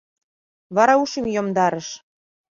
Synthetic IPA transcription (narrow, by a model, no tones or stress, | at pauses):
βɑɾɑuʃimjomd̪ɑɾə̆ʃ